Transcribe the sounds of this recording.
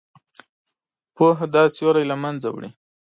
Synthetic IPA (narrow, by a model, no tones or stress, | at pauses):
poɦad̪ɑsjoɾajlamanza̰wɽḭ